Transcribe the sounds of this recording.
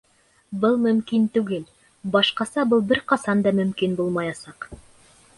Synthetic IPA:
bɤlˠmɵ̆mkint̪ʉɡɘl | bɑʃqɑsɑbɤlˠbɘɾqɑsɑnd̪ɑmɵ̆mkinbulˠmɑjɑsɑq

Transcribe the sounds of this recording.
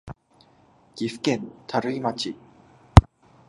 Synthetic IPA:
kifkent̪ʰaɾɯimat͡ɕʰi

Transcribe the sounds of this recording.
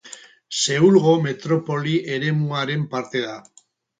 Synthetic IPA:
se̞ulɣo̞me̞t̪ɾo̞po̞liʔeɾe̞muaɾe̞mpaɾt̪e̞ða

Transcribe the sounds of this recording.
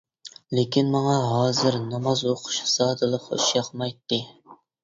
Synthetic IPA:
lekʲinmɑŋɑɦɑːzɨɾnɑmɑzoqʰʊ̥ʃsɑːd̪ɨlˠəqṵʃjɑqmɑjt̪ːɨ

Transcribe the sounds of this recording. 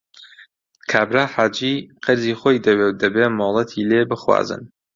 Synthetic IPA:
kʰaːbɾaːħaːd͡ʒiːqʰɨɾziːxoːjd̪ɐwewd̪ɐbeːmoːlˠɐt̪ʰileːbɨxwa̰ːzɨ̰n

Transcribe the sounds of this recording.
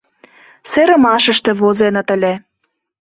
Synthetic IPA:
seɾə̆mɑʃə̆ʃt̪ĕβozenɤt̪ə̆lʲĕ

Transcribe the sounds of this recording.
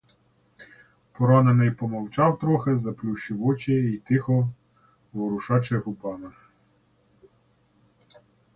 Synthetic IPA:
pɔɾɑnɐnɪjpɔmɔwt͡ʃɑwt̪ɾɔxezɐplʲuʃɪʋɔt͡ʃɛit̪ɪxɔ | ʋɔɾʊʃɑt͡ʃɛɦʊpɑnɐ

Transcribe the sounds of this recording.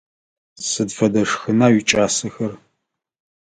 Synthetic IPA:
sɨdfɐdɐʂxɨnaːɥit͡ʃʼaːsɨxɐr

